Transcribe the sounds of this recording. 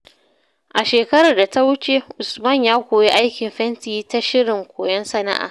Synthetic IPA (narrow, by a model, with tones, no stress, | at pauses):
ʔa˨ʃeː˨kɐ˦ɾa˨rda˨ta˦wʊ˦t͡ʃe˦ʔʊ˨smɐ˦˨ɲjaː˦kʷoː˨ji˦ʔa˦jkʲɪ˨mɸɛ˦ntiː˦ta˦ʃɪ˦ɽɪ˨ŋkʷoː˨jɔ˦nsɐ˦na̰˦ʔa̰ː˨